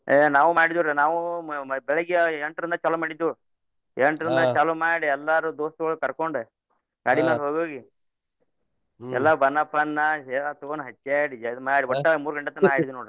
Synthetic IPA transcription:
enaːʋumaːɽid̪uɾenaːʋubɛɭɐɡjɐeɳʈɾind̪ɐt͡ʃɐlumaːɽid̪ːu | eɳʈɾind̪ɐt͡ʃɐlumaːɽiɛlːaɾud̪oːst̪ɐɡɐɭːukɐɾkoɳɖ | ɡaːɽimaːlɦoːɡoːɡi | ɛ̰lːɐbɐnːɐpɐnːɐɛat̪uɡonɦɐt͡ʃːeɽid͡ʒd̪umaːɽiɔʈːɐmuːɾuɡɐɳʈːɐt̪ːɐnaːiɽid̪unoːɽu

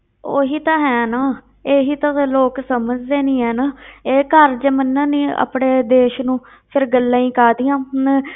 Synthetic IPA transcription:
oːɦiːt̪ãːɦɛːnaː | eːɦiːt̪ãːloːksəməd͡ʒd̪eːnĩːɛːnaːeːkəɾd͡ʒəmənːãːniːə̰pɽeːd̪eːʃnũː | pʰɪɾɡəlːãːĩːkaːd̪ijãː

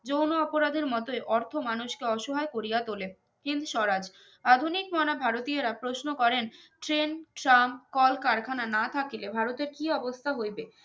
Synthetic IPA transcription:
d͡ʑownoɔpoɾad̪ʱeɾmɔt̪oeʔɔɾt̪ʰomanuʃkeɔʃoɦaekoɾijat̪ole | hind̪ʃɔɾad͡ʑ | ad̪ʱunikmɔnabʱaɾot̪ieɾapɾosnokɔɾenʈɾenʈɾamkɔlkaɾkʰananat̪ʰakilebʱaɾot̪eɾkiɔbost̪ʰaɦojbe

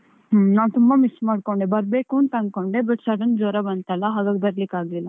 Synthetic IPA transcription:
ɦnaːnt̪umbɐmismaːɖ̚koɳɖebɐɾbeːkuɐnt̪ɐŋɡkoɳɖebɐʈsɐɽɐnd͡ʒɔːɾabɐnt̪alːɐɦaːɡaːɡebɐɾlikːaːɡlilːɐ

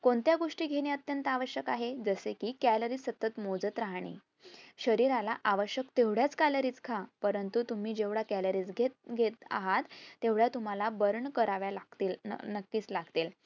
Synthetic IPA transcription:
koɳt̪jaɡoʂʈiːɡʱeɽ̃jət̪jənt̪aʋəɕjəkaɦed͡zəsekiːkæləɾiːsət̪ət̪mod͡zət̪ɾaɦɳ̃ḭ | ɕəɾiɾalaʔaʋəɕjəkt̪eʋɽjat͡skaləɾiːt͡skʰapəɾənt̪ut̪um̤iːd͡ʑeʋɽakæləɾiːt͡sɡʱet̪̚ɡʱet̪a̰ɦat̪ːeʋɽjat̪um̤alabəɾɳkəɾaʋjalaɡt̪il̰nəkːiːt͡slaɡt̪iːl

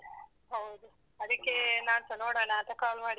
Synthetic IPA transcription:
ɦɐwud̪u | ɐd̪ikːenaːnt̪ɐnoːɽanɐːt̪ɐkaːlmaːɽi

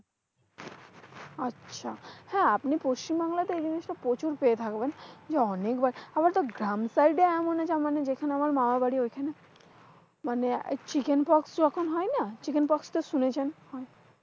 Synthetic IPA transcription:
atːʃʰa̰hɛ̃apnipoʃt͡ɕimbaŋlat̪eejd͡ʑiniʃʈapɾot͡ɕuɾpeet̪ʰakbend͡ʑeɔnekbaɾabaɾt̪oɡɾamsajɖeɛmoned͡ʑamaned͡ʑekʰaneamaɾmamabaɽiojkʰane | manḛt͡ɕikenpɔksd͡ʑɔkʰonɦɔenat͡ɕikenpɔkst̪oʃunet͡ɕʰenhɔe

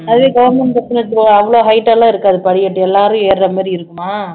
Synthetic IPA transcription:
ɐðɯʋeːɡɐʋɐɾmɛnpɾɐt͡ʃːɐnɐt̪ːoɐʋːɐɭoːɦɐɪʈːɐlãːɪɾɯkːaːðɯpɐɽɪjɐʈːɯɛlːaːɾɯ̃eːɾɾɐmaːɾiɪɾɯkːɯmaː

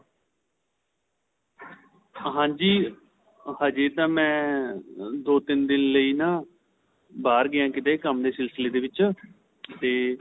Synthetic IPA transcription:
ɦãːɲd͡ʒiː | həd͡ʒeːt̪ãːmɛ̃ː | d̪oːt̪ɪnd̪ɪnləiːnãː | baːɾɡɪãːkɪt̪aːekəmd̪eːsɪlsəleːd̪eːʋɪt͡ʃ | t̪eː

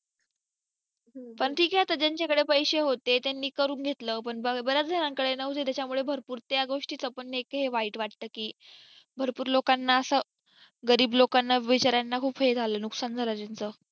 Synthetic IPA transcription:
pəɳʈʰiːkɦjat̪əd͡ʑaɲt͡ɕjakəɽepəjɕeɦot̪et̪janːiːkəɾuːnɡʱet̪ləːpəɳbəbəɾjad͡zdʱəɾaŋkəɽenəɦt̪et̪jat͡ɕamuɭebʱəɾpuːɾt̪jaɡoʂʈiːt͡səpənːekɦeʋaiːʈʋaʈ̚t̪əːkiː | bʱəɾpuːɾlokanːaəsəː | ɡəɾiːblokanːaʋit͡ɕaɾjanːakʰuːpɦed͡zʱaləːnuksand͡zʱalat͡ɕant͡səː

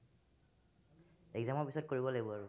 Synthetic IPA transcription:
ɛɡzamɔɹpisɔt̚koɹibɔlaɡibɔaɹʊ

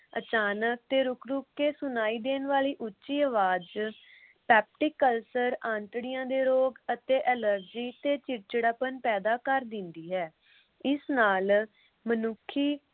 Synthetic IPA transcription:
ə̰t͡ʃaːnək̚t̪eːɾʊkʰɾʊkːeːsʊnaːiːd̪eːnʋaːliːʔʊtːʃiːəʋaːd͡ʒ | pɛːp̚ʈɪkːəlsəɾãːnt̪ɽɪjãːd̪eːɾoːɡət̪eːʔɛləɾd͡ʒiːt̪eːt͡ʃɪɾt͡ʃəɽapənpɛːd̪aːkəɾd̪ɪ̃nd̪iːɦɛː | ɪsnaːl | mənʊkʰːiː

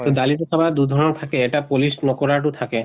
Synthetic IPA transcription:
t̪od̪alit̪ekʰabad̪ud̪ʱɔɾonot̪ʰakeeʈapolisnokoɾaʈut̪ʰake

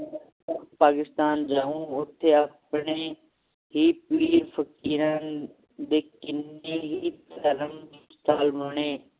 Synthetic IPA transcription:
paːkɪst̪aːnd͡ʒaːũʊt̪ʰːeɐpɳe | ɦipiːɾfəkiːɾan | d̪eːkɪneɦit̪ɐɾəmst̪aːlʋɐɽ̃eː

